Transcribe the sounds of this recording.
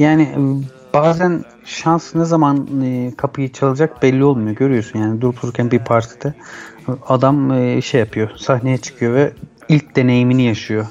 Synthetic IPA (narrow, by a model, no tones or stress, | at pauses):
jaːni | b̥aːzæn | ʃansnɛzamanɯːkʰapʰɯjɯt͡ʃʰalˠɯd͡ʒak̚b̥ɛlʲːio̞lˠmujo̞ɟø̞ɾyjo̞synjaːnid̪uɾup̪ʰuɾuɾcʰænbiɾpʰaɾt̪ʰi̥d̪̥ɛ | ad̪amɯːʃɛjapʰɯjo̞saɦne̞jɛt͡ʃʰɯ̥kʰɯjo̞vɛ | ilʲc̚d̪e̞ne̞jiminijaʃɯjo